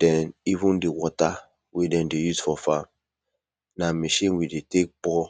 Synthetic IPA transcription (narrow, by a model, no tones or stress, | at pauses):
dɛnivundiwʷɔta | widɛ̃ndejuzfɔfam | nameʃĩnwidetek̚bɔ